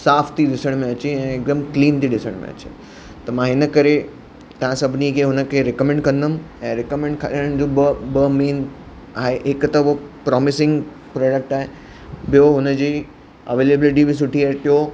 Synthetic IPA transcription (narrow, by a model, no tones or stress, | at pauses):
saːft̪ʰiɗɪsəɽ̃mẽɐt͡ɕeɛ̃ek̚ɖəmkliːnt̪ʰiɗɪsəɽ̃mḛ̃ɐ̰t͡ɕḛ | t̪ɐmãɦɪnəkɐɾe | t̪ɐʋ̤ãsɐbʱnikʰeːɦʊnə̆kʰeɾɛkəmɛ̃ɳɖkɐ̃nd̪əm | ɛ̃ːɾɪkəmẽɳɖ̚kʰaɾiɽəɽ̃ɪ̃d͡ʑobəmeːn | aːɦeɦɪkt̪ɐopɾɔːmɪsɪ̃ŋɡ | pɾɔːɖək̚ʈaːɦe | bɪjoɦʊnəd͡ʑiː | ɐʋeːleːbɪlʈibɪs̬ʊʈʰiat̪ɪɦo